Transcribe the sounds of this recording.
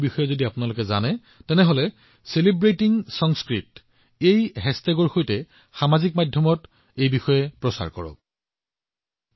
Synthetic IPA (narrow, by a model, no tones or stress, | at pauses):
bixɔjɛzodiapʊnalokɛza̰nɛ | tɛnɛɦolɛ | selibɹetiŋsɔŋskɹit | ejɦɛstɛɡɔɹxojtɛ | xamazik̚madʱjɔmɔt | ejbixɔjɛpɹɔsa̰ɹkɔ̰ɹɔ̰